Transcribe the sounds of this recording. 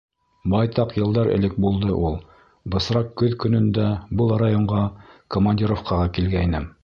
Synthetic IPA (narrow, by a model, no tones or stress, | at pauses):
bɑjt̪ɑqjɤ̆lˠd̪ɑɾɘ̰̆lɘk̚bulˠd̪ɤʔulˠ | bɤ̆sɾɑqkɵðkɵ̆nɵ̆nd̪æbɤlˠrajoɴʁɑkomanʲdʲiɾofqɑʁɑkilɡæinɘm